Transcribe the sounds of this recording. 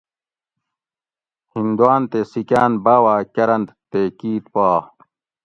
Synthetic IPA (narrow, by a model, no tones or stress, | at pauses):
hind̪uwaːnt̪esikaːnbaːwaːkɐɾɐnt̪t̪ekiːt̪paː